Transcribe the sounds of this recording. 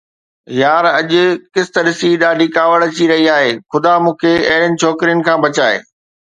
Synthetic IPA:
jaːɾɐʄʊ̆kɪst̪əɗɪsiɗaːɖikaːʋəɽt͡ɕiɾɐɦiaːɦeːxʊd̪amũːkʰeɐ̰ɦɪɽjənɪ̆t͡ɕʰɔːkɾijənɪ̆kʰãːbɐt͡ɕaːɦḛː

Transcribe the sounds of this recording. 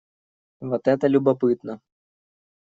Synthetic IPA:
vɔt̪ɛt̪ɐlʲubapɨt̪nɐ

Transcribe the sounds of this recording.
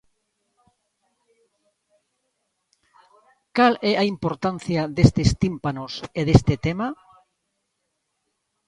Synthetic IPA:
kalɛʔaimpoɾt̪an̟θjad̪est̪est̪impanoseðest̪et̪ema

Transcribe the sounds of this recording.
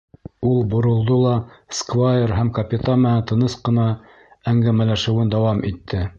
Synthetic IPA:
ulˠbŏɾŏlˠd̪olˠɑskvajeɾɦæmkɐpʲɪt̪amænænt̪ɤ̆nɤsqɤ̆nɑ | æŋɡæmælæʃɘ̆wɘnd̪ɑwɑmʔit̪ʰːɘ

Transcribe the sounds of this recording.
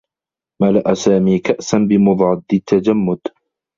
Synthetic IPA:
malaʔasaːmiːkaʔsanbɪmʊd̪ˤʕɑd̪ːɪt̪ʰːad͡ʒamːʊd̪

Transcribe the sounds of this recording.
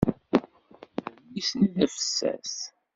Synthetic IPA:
isnəðəfə̥sːæ̰s

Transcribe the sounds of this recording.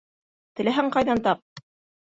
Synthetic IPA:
t̪ɘ̆læɦæŋqɑjðɑnt̪ɑp̚

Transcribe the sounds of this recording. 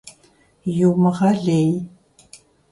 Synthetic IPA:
juːməʁɑɮej

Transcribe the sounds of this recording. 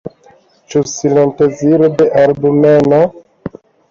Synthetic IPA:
t͡ʃusilonteziɾodeʔalbumeno

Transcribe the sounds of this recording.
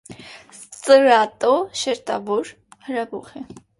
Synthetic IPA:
t͡sʼəɾɑt̪ʼɔʃɛɾt̪ɑvɔɾ | həɾɑbɔχɛ

